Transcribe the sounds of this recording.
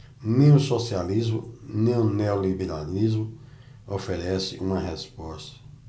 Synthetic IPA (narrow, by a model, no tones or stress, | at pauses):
nẽj̃ʊ̃sosializmʊ̰nẽũneolibeɾalizmʊ | ofeɾɛsɪ̰ʔũmɐɦɛspɔst̪ɐ̥